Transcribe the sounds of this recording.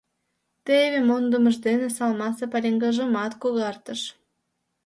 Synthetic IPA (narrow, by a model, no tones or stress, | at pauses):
t̪eβemond̪ə̆məʒd̪enesɑlmɑsepɑɾʲeŋɡɑʒəmɑt̪koɣɑrt̪əʃ